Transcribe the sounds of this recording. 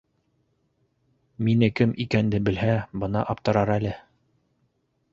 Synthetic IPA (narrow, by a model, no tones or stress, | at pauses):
minɘkɘmʔikænd̪ɘbɘ̆lɦæbɤnɑʔɑp̚t̪ɤ̆ɾɑɾælɘ